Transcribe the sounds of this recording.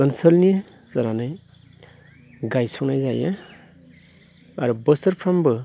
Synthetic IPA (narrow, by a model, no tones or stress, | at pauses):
ɯnsəlnija | zaɾanɯj | ɡajsɔnajzaja | a̰ɾubəsəɾpʰɾambɯ